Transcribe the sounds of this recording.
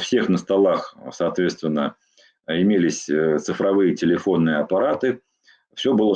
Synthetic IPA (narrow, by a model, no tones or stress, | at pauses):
fsʲe̞xnəst̪ɐlˠaxsɐːt̪vʲe̞t̪st̪vʲɪnːə | ɪmʲelʲɪsʲt̪sɨfɾɐvɨjətʲɪlʲɪfo̞nːɨjəɐpɐɾat̪ɨ | fsʲɵbɨlˠə